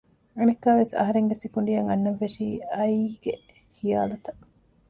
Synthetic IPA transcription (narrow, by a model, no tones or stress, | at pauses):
enikːaːʋesɐ̰ɦɐɾeŋɡesikuɳ̆ɖijɐŋɐnːɐʋːesiːɐjiɡe | hija̰ːlɐt̪ɐʔ